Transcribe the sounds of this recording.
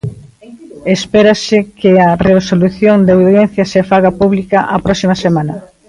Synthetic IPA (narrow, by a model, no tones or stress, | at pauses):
espeɾɐsɪkɪɐresoluθjoŋd̪awððjɛn̟θjɐsefaɣapuβlikɐʔɐpɾɔsimɐsemanɐ